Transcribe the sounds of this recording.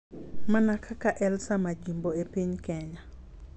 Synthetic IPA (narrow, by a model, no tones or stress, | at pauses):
manakʰakaʔɛlsamad͡ʒimboepiɲkɛɲa